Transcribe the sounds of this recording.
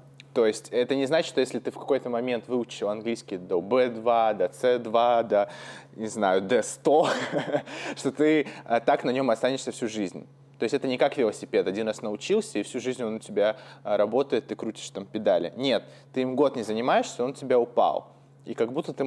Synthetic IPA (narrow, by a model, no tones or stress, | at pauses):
t̪o̞jɪsʲtʲɛt̪ənʲɪznat͡ɕɪt̪ʂt̪ojesʲlʲɪt̪ɨfkɐ̥ko̞jt̪əmɐmʲe̞nt̪vɨʊt͡ɕɪlˠɐnɡlʲijskʲɪjd̪əbɛd̪vad̪ɐt̪sɛd̪vad̪ənʲɪznajʊd̪ɛst̪o | ʂt̪o̞t̪ɨət̪aknɐnʲo̞mɐst̪anʲɪʂsʲəfsʲuʐɨzʲnʲ | t̪oɪstʲɛt̪ənʲɪkakvʲɪlˠəsʲɪpʲe̞t̪ɐdʲinrasnəʊt͡ɕilˠsʲəifsʲuʐɨzʲnʲo̞nːətʲɪbʲaɾɐbo̞t̪əjɪt̪ːɨkɾutʲɪ̥ʂt̪ampʲɪd̪alʲɪ̰nʲe̞t̪ːɨimɡo̞t̪nʲɪzənʲɪmaɪʂsʲəo̞ntʲɪbʲaʊpa̰lˠ | ikɐɡbut̪ːət̪ɨ